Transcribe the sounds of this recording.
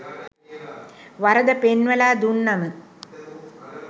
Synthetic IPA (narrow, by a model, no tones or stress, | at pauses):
ʋɐɾəd̪əpenʋəlaːd̪unːɐmə